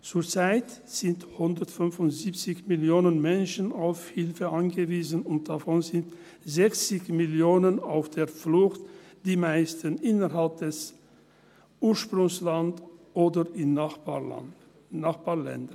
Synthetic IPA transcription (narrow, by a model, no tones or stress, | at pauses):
t͡suːɐt͡saɪt | z̥ɪnthʊndətfʏnfʊnz̥ipt͡sɪçmɪljoːnənmɛnʃənaʊfhɪlfəʔanɡəviːzənʊnt̚d̥afɔnzɪnt | zɛçt͡sɪçmɪljoːnənaʊfd̥eːɐflʊxt | d̥iːmaɪstənʔɪnəɦalp̚d̥ɛs | ʔuːɐʃpʁ̥ʊŋslantʔoːdəɪma̰ | naχb̥aːɐlɛ̰ndə